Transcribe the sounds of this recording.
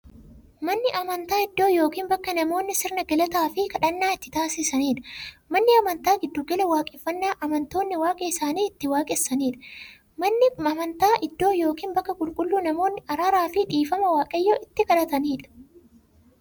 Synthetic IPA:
mɐnːɪʔɐmɐnt̪aːɪd̪ːo̞ːjo̞ːkiːnbɐkːɐnɐmo̞ːnːɪsɪɾnɐɡɐlɐt̪aːfɪkɐᶑɐnːaːɪt̪ːɪt̪aːsɪsɐniːᶑɐ̥mɐnːɪɐmɐnt̪aːɡɪd̪ːʊɡɐlɛwaːkʼɪfːɐnːaːʔɐmɐnt̪o̞ːnːɪwaːkʼɛɪsaːniːɪt̪ːɪwaːkʼɛsːɐniːᶑɐ̥ | mɐnːɪɐmɐnt̪aːʔɪd̪ːo̞ːjo̞ːkiːnbɐkːɐkʼʊlkʼʊlːuːnɐmo̞ːnːɪʔɐɾaːɾaːfɪᶑiːfɐmɐwaːkʼɐjːoːʔɪt̪ːɪkɐᶑɐt̪ɐniːᶑɐ̥

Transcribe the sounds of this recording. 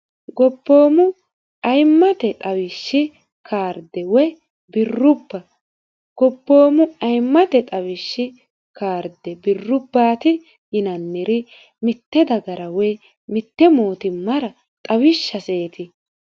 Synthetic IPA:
ɡɔbːo̞ːmʊ | ɐjmːɐt̪ɛt̪ʼɐwɪʃːɪ | kʰaːɾd̪ɛwɛ | bɪrːʊbːɐ | ɡ̥ɔbːo̞ːmʊʔɐjmːɐt̪ɛt̪ʼɐwɪʃːɪ | kaːɾd̪ɛbɪrːʊbːaːt̪ɪ | jɪnɐnːɪɾɪ | mɪt̪ːɛd̪ɐɡɐɾɐwɛj | mɪt̪ːɛmo̞ːt̪ɪmːɐɾɐ | t̪ʼɐwɪʃːɐse̞ːt̪ɪ

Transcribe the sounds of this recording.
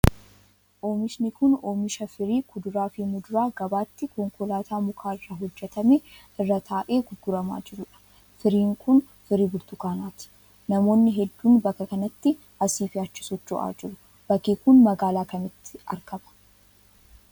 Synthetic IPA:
ʔoːmɪʃnɪkʊnoːmɪʃɐfɪɾiːkʊd̪ʊɾaːfimʊd̪ʊɾaːɡɐbaːt̪ːɪkɔŋkɔlaːt̪ʰaːmʊkʰaːɪrːaɦɔd͡ʒːɛt̪ɐmɛ | ɪrːɐt̪ʰaːʔe̞ːɡʊɡːʊɾɐma̰ːd͡ʒɪɾʊᶑɐ̥ | fɪɾiːŋkʰʊn | fɪɾiːbʊɾt̪ʊkaːnaːt̪ɪ̥ | nɐmoːnːɪɦɛd̪ːuːnbɐkːɐkɐnɐt̪ːɪ | ʔɐsiːfɪaːt͡ʃːɪ̥sɔt͡ʃːɔ̰ʔa̰ːd͡ʒɪɾʊ | b̥ɐkeːkʊnmɐɡaːlaːkɐnɐt̪ːɪ̥ɐ̰ɾkɐbɐ̥

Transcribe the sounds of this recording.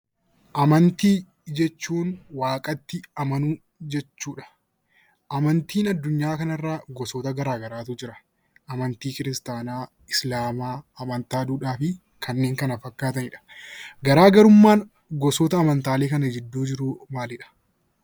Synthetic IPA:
ʔɐmɐnt̪iː | d͡ʒɛt͡ʃːuːnwaːkʼɐt̪ːɪɐmɐnuː | d͡ʒɛt͡ʃːuːᶑɐ̥ | ʔɐmɐnt̪iːnɐd̪ːʊɲːaːkɐnɐrːaːɡɔsoːt̪ɐɡɐɾaːɡɐɾaːt̪ʊd͡ʒɪɾɐ̥ | ʔɐmɐnt̪iːkɪɾɪst̪aːnaː | ɪslaːmaːɐmɐnt̪aːd̪uːᶑaːfɪ | kʰɐnːe̞ːŋkɐnɐfɐkːaːt̪ɐnɪᶑɐ̥ɡɐɾaːɡɐɾʊmːaːn | ɡɔsɔːt̪ɐːmɐnt̪aːle̞ːkɐnɐd͡ʒɛd̪ːuːd͡ʒɪɾʊmaːlɪᶑɐ̥

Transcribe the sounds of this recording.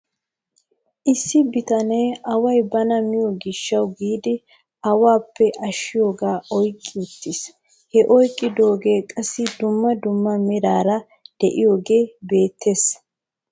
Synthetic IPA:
ʔɪsːɪbɪt̪ɐne̞ːɐwɐjbɐnɐmɪjoɡɪʃːɐwɡiːd̪ɪ | ɐwaːpːɛʔɐʃːɪjo̞ːɡaːʔɔjkʼːɪʊt̪ːɪs | hɛʔɔjkʼːɪd̪o̞ːɡe̞ːkʼɐsːɪd̪ʊmːɐd̪ʊmːɐmɪɾaːɾɐ | d̪̥ɛʔɪjo̞ːɡe̞ːbe̞ːt̪ʰːe̞ːs

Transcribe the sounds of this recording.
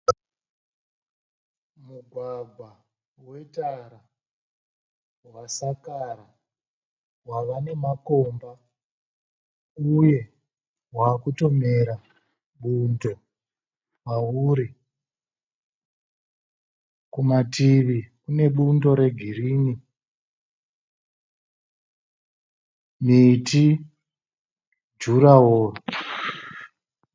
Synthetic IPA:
muɡʱwaɡʱwa | we̞taɾa | wasakaɾa | waʋane̞mako̞mba | uje̞ | waːkuto̞me̞ɾa | ɓundo̞ | wauːɾi | kumatiʋikune̞ɓundo̞ɾe̞ɡʱiriːni | miti | d͡ʒuɾaɦoːro

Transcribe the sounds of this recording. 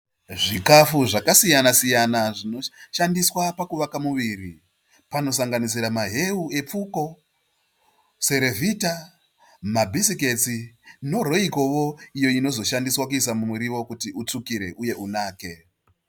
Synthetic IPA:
ʐikafuʐakasijanasijanaʐinoʃandiswapakuʋakamuʋiːri | pano̞saŋɡanis̬iɾamaɦe̞ue̞p͡fuko̞ | se̞ɾe̞vʱita | mabʱisike̞t͡sino̞ro̞iko̞ʋo̞ijo̞ino̞zo̞ʃandiswakuisamumuɾiwo̞kutiʔut͡sukiɾe̞ʔuje̞ʔunaːke̞

